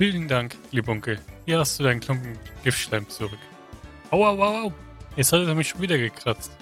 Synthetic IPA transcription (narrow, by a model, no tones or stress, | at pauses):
fiːlndaŋkliːbəʊŋkəhiːɐhastd̥uːdaɪnkʰlʊŋkŋ̩ɡ̥ɪftʃlɛɪmpt͡suʁʏk | ʔaʊaʊwaaʊjɛt͡ssthatəɛmɪçʃoːnviːdɐɡəkʰʁ̥at͡st